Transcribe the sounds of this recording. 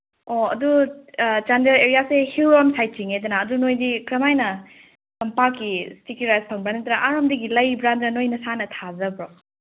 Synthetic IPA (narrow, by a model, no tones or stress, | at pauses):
oɐ̰du | t͡ʃandeɾeɾijasehiwɾɔmsajt̚t͡ʃiŋedɐnaːdunojdikɾɐmajnɐ | sɐmpakːistikuɾajspʰɐŋbɾant̪ɾaʔaɾomdiɡilɐjbɾandɾɐnojnɐsanɐtʰazɐbɾɔ